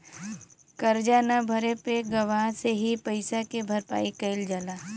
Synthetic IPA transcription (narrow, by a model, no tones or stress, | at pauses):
kɐɾd͡ʒanabʱɐɾepeɡɐʋaːseɦipɐɪsakebʱɐɾpa̰ːikəɪld͡ʒala